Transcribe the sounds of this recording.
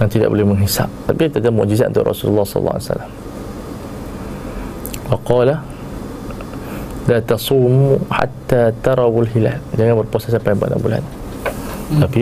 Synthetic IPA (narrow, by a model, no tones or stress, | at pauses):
jaŋt̪ida̰ʔbo̰lɛhməŋɦisa̰ʔ̚t̪apit̪adamʊʔd͡ʒizat̪ʔunt̪ʊʔrɔ̰sulṵlːɑsɔ̰l̰l̰ːa̰sa̰lːam | wɑqɑla | lat̪ɑsumuħa̰t̪ːat̪ɑɾˤɑwalɦila̰ld͡ʒaŋanbərposasampajamba̰ʔna̰ʔbula̰n | t̪api